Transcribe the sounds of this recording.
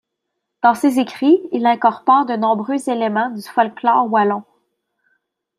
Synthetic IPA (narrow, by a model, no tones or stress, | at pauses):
d̪̥ɑ̃sezekχiilɛ̃kɔʁpɔʁd̪ənɔ̃bʁøzelemɑ̃d̪yfɔlklɔːʁwalɔ̃